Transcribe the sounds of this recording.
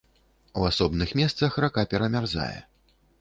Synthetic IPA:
uasɔbnɨxmʲɛst̪sɐxrakapʲɛɾɐmʲarza̰jɛ̰

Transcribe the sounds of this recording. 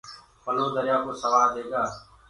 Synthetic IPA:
pəlõːd̪əɾɪjaːkoːsəʋaːɾd̪eːɡaː

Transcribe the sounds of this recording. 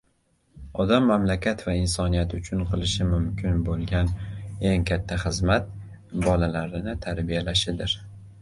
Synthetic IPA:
ɒd̪amːamlakʲʰat̪vaɪnsɒnijat̪ʊt͡ʃʰʊnqʰɨlˠɪʃɪmʊmkʲʰɪnbolˠɡʲane̞ŋkʲʰat̪ʰːaχɨzmat̪̚ | bɒlalaɾɪnɪt̪ʰaɾbijalaʃɪd̪ɪɾ

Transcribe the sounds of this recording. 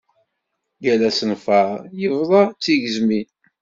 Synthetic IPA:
jælæsənfəˤjəvðˤɑt͡sːiʝəzmin

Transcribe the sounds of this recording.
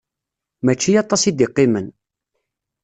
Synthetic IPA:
mæt͡ʃːijɑt̪ˤɑsid̪iqːɪmən

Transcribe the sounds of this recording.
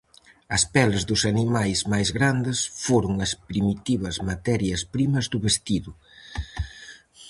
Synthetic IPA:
ɐspɛlɪzðʊsanimajzmajzɣɾand̪ɪsfoɾʊŋɐspɾimit̪iβɐzmat̪ɛɾjɐspɾimɐzðʊβest̪iðʊ

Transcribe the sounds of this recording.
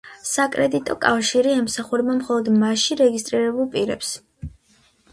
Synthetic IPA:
sakʼɾɛd̪it̪ʼɔkʼafʃiɾiɛmsaχuɾɛbmamχɔlˠɔd̪maʃiɾɛɡist̪ʼɾiɾɛbulˠpʼiɾɛ̰ps

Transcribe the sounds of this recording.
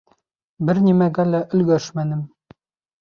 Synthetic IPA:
bɘɾnʲimæɡælæʔɵ̆lɡæʃmænɘm

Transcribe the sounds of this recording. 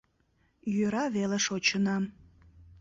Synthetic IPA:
jøɾɑβeleʃot͡ɕənɑm

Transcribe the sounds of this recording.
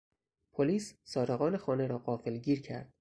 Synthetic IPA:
pʰoliːssɒːɾeɣɒːnexɒːne̞ɾɒːɢɒːfelɟiːɾcʰæ̰ɾd̪̥

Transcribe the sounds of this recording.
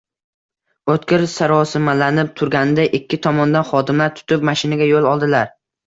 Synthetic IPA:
ot̪kʲɪɾsaɾɒsɪmalanɪp̚t̪ʰʊɾɡʲanɪd̪aʔɪkʲːɪt̪ʰɒmɒnd̪anχɒd̪ɪmlaɾt̪ʰʊ̥t̪ʰɪp̚maʃɪnaɡʲajolˠɒlˠd̪ɪlaɾ

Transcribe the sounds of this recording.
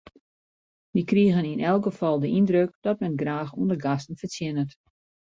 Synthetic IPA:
ʋikriəɣəninʔɛlˠkɡəfɔlˠdəʔindrøkd̥ɔtmɛnɡraːxṵəndəɡastən̩fət͡sjɪnət

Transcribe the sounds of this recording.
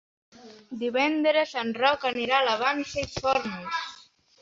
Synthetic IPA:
d̪iβɛnd̪ɾəsanrɔkaniɾalaβ̞anseisfɔɾnus

